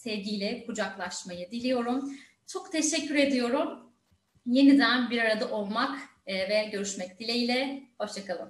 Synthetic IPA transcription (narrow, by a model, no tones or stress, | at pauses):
sɛvɟʲijlʲɛkʰud͡ʒaklˠaʃmajɯd̪ilʲijo̞ɾum | t͡ʃʰo̞kt̪ʰeʃɛcʰːyɾe̞d̪ijo̞ɾum | je̞nid̪ænbiɾaɾad̪aʔo̞lˠmakː | vɛɟø̞ɾyʃmɛc̚d̪ilʲeilʲɛho̞ʃt͡ʃʰakalˠɯm